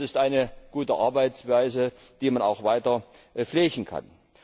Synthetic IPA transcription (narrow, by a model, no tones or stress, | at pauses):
ɪstʔaɪnəɡ̥uːtəʔaɐbaɪt͡sv̥aɪzə | d̥iːmana̰ʊxv̥aɪtɐ | flɛːçn̩kʰa̰n